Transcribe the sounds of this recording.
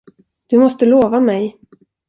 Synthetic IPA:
d̪̥ɵmɔst̪əloːvamɛj

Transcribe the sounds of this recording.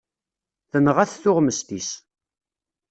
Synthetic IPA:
θənʁæθθʊʁməst̪is

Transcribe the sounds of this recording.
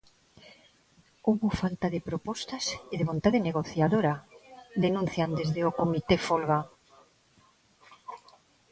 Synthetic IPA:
owβofalt̪aðepɾopɔst̪aseðeβont̪aðeneɣoθjaðoɾad̪enũn̟θjand̪ezðeokomit̪efolɣa

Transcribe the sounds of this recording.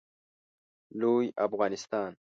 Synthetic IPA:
luːjafɣɑːnɪst̪ɑːn

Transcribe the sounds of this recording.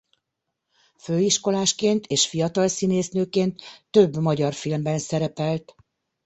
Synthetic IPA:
føːiʃko̞laːʃkeːnt̪eːʃfijɒt̪ɒlsineːsnøːkeːnt̪ːø̞bmɒɟɒrfilmbɛnsɛɾɛpɛlt̪

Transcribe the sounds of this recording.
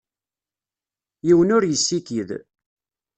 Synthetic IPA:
jiwənʊɾjəsːikið

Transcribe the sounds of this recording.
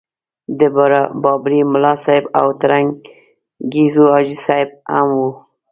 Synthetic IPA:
d̪əbaɾabɑbɾimʊlɑsɑɪba̰wt̪aɾaŋɡ | ɡizuɑd͡ʒisɑɪb̚a̰mwu

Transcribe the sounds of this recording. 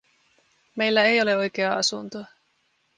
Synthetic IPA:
me̞jlːæejo̞le̞o̞jk̟e̞ɑɑsunt̪o

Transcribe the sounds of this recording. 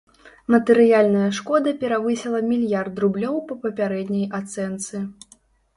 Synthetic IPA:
mɐt̪ɛɾɨjalʲnɐjɐʂkɔd̪ɐpʲɛɾavɨsʲɛlˠɐmʲilʲjart̪rublʲɔwpɐpɐpʲaɾɛd̪ʲnʲɐjat̪sɛnt̪sɨ

